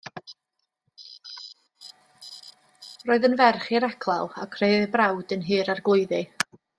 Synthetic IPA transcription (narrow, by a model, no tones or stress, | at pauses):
roːɨðənvɛrχiɾɛkʰlˠa̰lˠa̰kʰr̥ebrawdənɦɨːɾarɡlˠʊɨðɨ